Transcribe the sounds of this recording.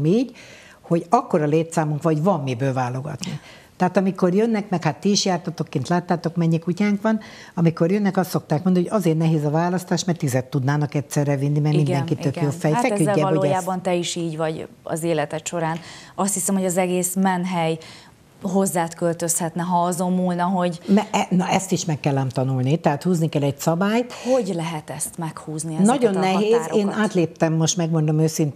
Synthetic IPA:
miːɟ | ho̞ɟɒkːo̞ɾɒleːt̪saːmuŋkʋɒɟvɒmːibøːlvaːlo̞ɡɒ̰t̪ni | t̪ɛɦaːt̪ɒmiko̞rjønːɛkmɛkhat̪ːiːʃjaːrt̪ɒt̪o̞kːeːnt̪laːt̪ːaːt̪o̞kmɛɲːikucaːŋkʋɒn | ɒmiko̞rjønːɛkɒst̪so̞k̚t̪aːkmond̪nhoɟɒzeːrnɛɦeːzɒvaːlɒst̪aːʃmɛrt̪izɛt̪ːud̪naːnɒkɛt̪sɛrɛvinːimɛrmind̪ɛŋkit̪økjoːfɛjfɛkyːɛlooːɛjaːbɒnt̪ɛiʃiːɟvɒɟ | ɒ̰zeːlɛt̪ɛt̪ʃo̞ɾaːnɒst̪hisɛmho̞ɟɒzɛɡeːsmɛnɦɛj | ɦo̞zːaːt̪kø̞lt̪ø̞shɛt̪nɛɦɒɒzomːuːlnɒɦo̞ɟmɛɛnɒɛst̪iʃmɛkːɛlːɛmt̪ɒnulnit̪ɛɦaːt̪huːznikɛlɛɟsɒbaːjho̞ɟlɛɦɛt̪ɛst̪mɛkhuːzniɛnɟo̞nːɛɦeːzeːnaːt̪leːp̚t̪ɛmːo̞ʃt̪mɛɡmo̞nd̪o̞møːsint̪

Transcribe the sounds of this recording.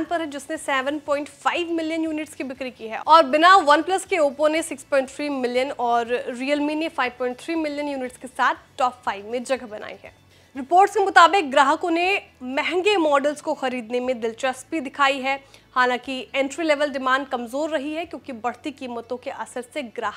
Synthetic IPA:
npɐɾɦɛd͡ʒɪsnesɛːʋənpɔ̃ːɪ̃ɳʈfaːɪʋmɪljənjuːnɪʈskibɪkɾikiɦɛ̰ɔːɾbɪnaʋɐnplɐskeoːpõnesɪkspɔ̃ːɪ̃ɳʈt̪ʰɾiːmɪlijənɔːɾːiːəlmiːnefaːɪʋpɔ̃ːɪ̃ɳʈ̚t̪ʰɾiːmɪljənjuːnɪʈskesaːt̪̚ʰʈɔːpfaːɪʋmẽd͡ʒɐɡəɦbɐna̰ːiɦɛ̰ː | ɾɪpoːɾʈskemʊt̪aːbɪk̚ɡɾaːɦəkõnemɛɦɛ̃ŋɡemɔːɖəlzkoxɐɾiːd̪nemẽd̪ɪlt͡ʃəsbid̪ɪkʰaːiɦɛhaːlãkiɛ̃ːɳʈɾilɛːʋəlɖɪmãːɳɖ̚kɐmzoːɾːɐɦiɦɛkjõːkibɐɽ̤t̪ikiːmət̪õkeʔɐsəɾseɡɾaːɦək

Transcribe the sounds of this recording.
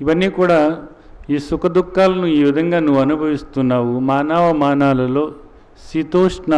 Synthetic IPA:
iʋɐnːiːkuːɽaː | iːsukɐd̪ukːaːlɐnuiːʋid̪ʱɐŋɡaːnuʋuɐnubʱɐʋist̪unːaːʋumaːnaːʋɐmaːnaːlɐlo̞ː | sɾit̪oːʂna

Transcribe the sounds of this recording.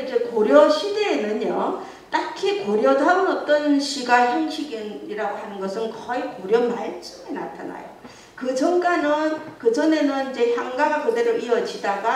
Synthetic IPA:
id͡ʑe̞koɾjʌɕʰide̞nɯɲjʌ | t͈akʰikoɾjʌdauɾʌt͈ʌnɕʰiɡaɕiŋɕʰiɡiniɾaɡoɦanɯnɡʌsʰɯnkʌikoɾjʌmaɭt͡ɕ͈umena̰tʰa̰na̰jo | kɯd͡ʑʌŋk͈anɯnkɯd͡ʑʌne̞nɯnid͡ʑe̞çjaŋɡaɡakɯdeɾoʔiʌd͡ʑidaɡa

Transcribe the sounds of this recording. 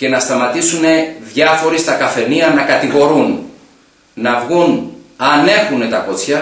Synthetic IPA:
ce̞nɐst̪ɐmɐt̪isune̞ðʝɐfo̞ɾist̪ɐkɐfe̞niɐnɐkɐt̪iɣo̞ɾun | nɐvɣunɐne̞xune̞t̪ɐko̞t͡sçɐ

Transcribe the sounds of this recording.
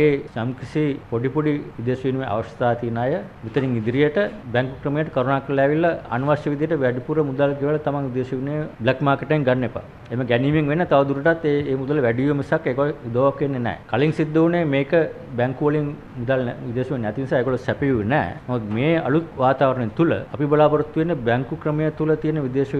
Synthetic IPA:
eːsamkɾisipoɖipoɖiʋid̪eːʃʋinumeʔa̰ʋɐʃə̥t̪aːt̪inaːjəʋit̪əniŋid̪iɾijəʈəbɛŋkukɾəmijəʈəkoɾonaːkɐlɛːʋilːɐɐ̰nuʋaʃjɐʋid̪ijəʈəʋæɖipuɾəmud̪alɡiʋɐlɐt̪amaŋʋid̪eːʃɐʋinebɭɛkmaːkeʈːɐiŋɡanːepa̰ | eməɡæniːmiŋʋenːət̪aʋɐd̪uɾəʈat̪ːeeːmud̪ələʋæɖijəmisakːeːɡoləud̪əʋakʋenːenɛ̰ːkaliŋsid̪ːəunemeːkə | bæŋkuʋɐliŋ | mud̪alʋid̪eːʃʋinːɛt̪inisaeɡoɭləsæpejuʋnɛ̰ːnɛmud̪meːɐ̰lut̪̚ʋaːt̪aːʋəɾəɳent̪ulə̰ɐpibɐlaːpəɾut̪ːienːəbæŋkukɾəmejət̪ulət̪ijənəʋid̪eːʃɐ

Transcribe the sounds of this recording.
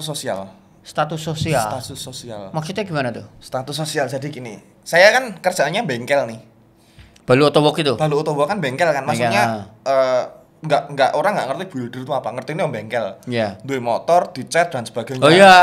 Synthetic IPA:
t̪usosia̰l | st̪at̪usosialat̪usːosialmaksut̪aɡimanat̪ust̪at̪usːosialsadi̤kini | sajakankər̥d͡ʒ̥anaɲambɛŋkɛlnɪh | b̥aluot̪owɔkit̪ub̥aluɔt̪ɔwɔkːanmbɛŋkɛlkanmasɛɲaəː | ŋɡaʔŋɡaʔoɾaŋɡaʔŋərt̪ib̥ulidərt̪uapaŋərt̪inuambɛŋkɛljand̪uemɔt̪ɔrd̪̥i̤t͡ʃɛt̪̚dansəb̥aɡ̥ənoja

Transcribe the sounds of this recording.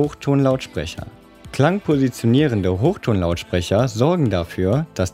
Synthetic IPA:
oːxtʰoːnlaʊtʃpʁ̥ɛ̰çɐ̰ | kl̥aŋpʰozit͡sjoniːʁəndəɦoːxtʰoːnlaʊtʃpʁ̥ɛçɐzɔɐɡŋ̩dafyːɐd̥as

